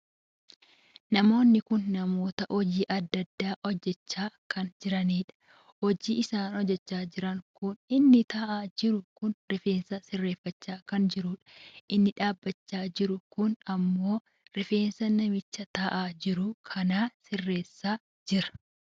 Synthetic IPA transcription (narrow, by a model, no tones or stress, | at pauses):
nɐmo̞ːnːɪkʊnːɐmo̞ːt̪ɐʔɔd͡ʒiːʔɐd̪ːɐd̪ːaːʔɔd͡ʒːɛt͡ʃːaːkɐnd͡ʒɪɾɐniːᶑɐ̥ | hɔd͡ʒiːʔɪsaːnhɔd͡ʒːɛt͡ʃːaːd͡ʒɪɾɐŋkʊnɪnːɪt̪aːʔaːd͡ʒɪɾʊkʊnɾɪfeːnsɐsɪrːe̞ːfːɐt͡ʃːaːkɐnd͡ʒɪɾuːᶑɐ̥ʔɪnːɪᶑaːbːɐt͡ʃːaːd͡ʒɪɾʊkʊnɐmːo̞ː | ɾɪfe̞ːnsɐnɐmɪt͡ʃːɐt̪aːʔaːd͡ʒɪɾʊkʰɐnaːsɪrːe̞ːsːaː | d͡ʒɪɾɐ̥